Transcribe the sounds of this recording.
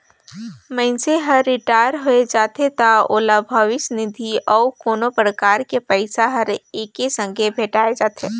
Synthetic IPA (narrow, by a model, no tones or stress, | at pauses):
mə̃ɪnseɦɐɾːɪʈaːɪɾɦoed͡ʒaːt̪et̪aoːlabʱəʋɪsnɪd̪ʱiɔːkoːnopɾəkaːɾkepəɪsaɦɐɾeːkesə̃ŋɡʱebʱeːʈaːed͡ʒaːt̪ʰeː